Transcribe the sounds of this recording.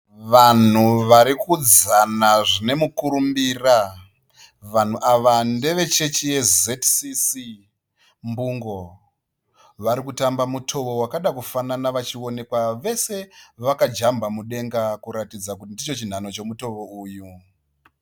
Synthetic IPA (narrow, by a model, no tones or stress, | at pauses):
ʋan̤uʋaɾikud͡zanaʐine̞mukuɾumbiːra | ʋan̤uʔaʋande̞ʋe̞t͡ʃe̞t͡ʃije̞zetsisi | mbuŋɡo̞ | ʋaɾikutambamutʰo̞ʋo̞wakaɗakufananaʋat͡ʃio̞ne̞kwaʋe̞se̞ʋakad͡ʒambamuɗe̞ŋɡakuɾatid͡zakutindit͡ʃo̞t͡ʃin̤ano̞t͡ʃe̞muto̞ʋo̞uːju